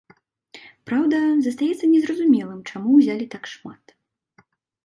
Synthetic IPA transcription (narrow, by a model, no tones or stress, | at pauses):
pɾawd̪ɐzɐst̪ajɛt̪sːɐnʲɛzrɐzumʲɛlˠɨmt͡ʂamuwzʲalʲit̪akʂmat̪